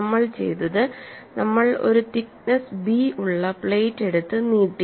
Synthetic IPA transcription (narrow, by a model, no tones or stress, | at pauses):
mːɐɭt͡ɕe̞̰jt̪ːɐðɨnɐmːɐɭo̰ɾut̪ik̚nɐsbiuɭːɐpɭeːtːe̞ɽut̪ːɨniːʈːi